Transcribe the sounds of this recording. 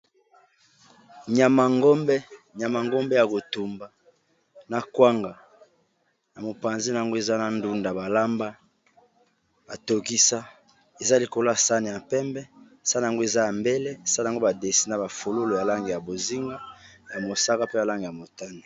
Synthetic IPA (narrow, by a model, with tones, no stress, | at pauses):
ɲa˨ma˨ŋɡo˦mbɛ˦ɲa˨ma˨ŋɡo˦mbe˦ja˨ko˨tu˨mba˨ | na˨kwa˦ŋɡa˨ | na˨mo˨pa˨nzi˦na˨a˨ŋɡo˦e˨za˦na˨ndu˦nda˨ba˨la˦mba˦ | b̥a˨to˨ki˦sa˦ | e˨za˦li˨ko˨lo˦a˨sa˦ne˨ja˨pɛ˦mbɛ˦˨ | sa˦na˨a˨ŋɡo˦e˨za˦ja˨mbe˦le˦˨sa˦na˨ŋɡo˦ba˨de˨si˦na˨ba˨fo˨lo˦lo˨ja˨la˦ŋɡe˨ja˨bo˨zi˦ŋɡa˦ja˨mo˨sa˦ka˦pe˦ja˨la˦ŋɡe˨a˨mo˨ta˦ni˨